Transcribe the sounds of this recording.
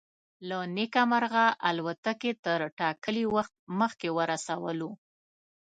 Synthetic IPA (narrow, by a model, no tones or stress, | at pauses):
lanekamaɾɣaʔalwat̪aket̪əɾʈɑkəliwaxt̪̚məxkewəɾasawəlu